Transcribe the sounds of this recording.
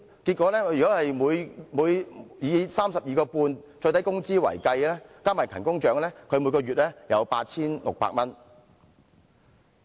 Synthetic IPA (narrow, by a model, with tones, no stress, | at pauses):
ki˧t̚kʷːɔː˨˥lɛː˥jy˨kɔ˨˥hɐ˨jmuː˨˧jmuː˨˧jjiː˨˧saː˥msɐ˨p̚jiː˨˧kɔː˧puː˧nt͡sɔ˧jt̪ɐ˨˥jkʊ˥ŋt͡siː˥wɐ̰˨˩jkɐ˧jlɛː˥kaː˥maː˨˩jkʰɐ˨˩nkʊ˥ŋt͡ʃœː˨˧ŋlɛː˥kʰɵ˨˧ɥmu˨˧˥kɔː˧ɥyː˨t̚lɛː˥jɐ˨˧wpaː˧t̚t͡sʰiː˥nlʊ̰˨k̚pa̰ː˧k̚mɐ˥n